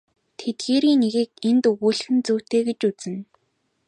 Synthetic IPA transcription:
t̪ʰet̪̚ɡeːɾiːŋneɣĭkent̪uɣuːɮ̆xɘ̆nt͡suːt̪eːɡĕt͡ɕut͡sɘ̆n

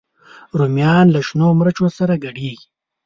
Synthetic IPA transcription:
ɾumjɑːnlaʃnoːmɾɐt͡ʃosaɾaɡɐɽeːɡi

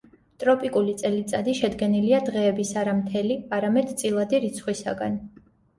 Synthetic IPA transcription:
t̪ʼɾɔpʼikʼulit̪sʼɛlit̪sʼad̪iʃɛd̪ɡɛniliad̪ʁɛːbisaɾamt̪ʰɛliaɾamɛd̪t̪sʼilˠad̪iɾit̪sʰχwisa̰ɡa̰n

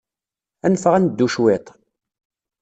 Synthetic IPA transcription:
ænfəʁænd̪ːuʃwet̪ˤ

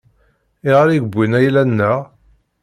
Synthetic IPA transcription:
ɪʁaɾiɡbʷːinæjlænːæ

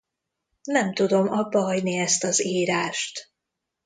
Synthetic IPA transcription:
nɛmt̪ud̪o̞mɒbːɒɦɒɟniɛst̪ɒziːɾaːʃt̪

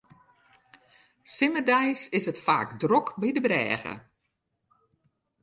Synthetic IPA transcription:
sɪmədɛjsɪsətfa̰ːkdrɔkbidəbrɛ̰ːɣə̰

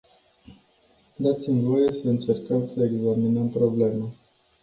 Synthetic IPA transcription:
d̪at̪simvo̞je̞səɨnt͡ʃe̞rkəmsəeɡzaminəmpɾo̞ble̞ma

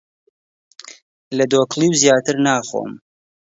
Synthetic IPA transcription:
lɐd̪oːklˠiwzijaːt̪ʰɨɾnaːχo̰ːm

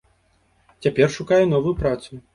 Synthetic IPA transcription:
t͡sʲapʲɛrʂukajɛnɔvujupɾat̪su

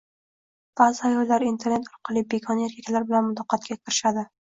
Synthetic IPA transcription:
b̥azɪajɒjlːaɾint̪ʰeɾnet̪ɒɾqʰɨlˠɪbekʰɒnjeɾkʲakʲlaɾbɪlanmʊd̪ɒqːɑt̪̚kʲakʲʰɪɾɪʃad̪ɪ

